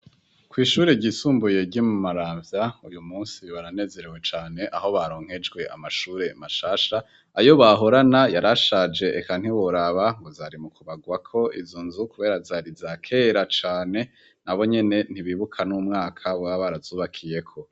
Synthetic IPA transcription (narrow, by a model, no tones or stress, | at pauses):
kwiːʃuːɾeɟiːsuːmbuje̞ɟimumaɾaːvjaujumuːnsiβaɾane̞ːze̞ɾewe̞t͡ʃaːne̞ʔaɦo̞βaɾo̞ːŋ̥he̞d͡ʒɡwe̞ʔa̰maʃuːɾe̞maʃaːʃa | ajo̞βaɦo̞ɾanajaɾaʃaːd͡ʒe̞ʔekan̥iwoɾaβaŋɡo̞zaɾimukuβaɡwakʰo̞ʔḭzonzukuβe̞ːɾazaːɾizakʰe̞ɾat͡ʃaːne̞ | naβo̞ɲe̞ne̞n̥iβiːβukʰanumŋaːkʰaβaβaɾazuːβakʰije̞kʰo̞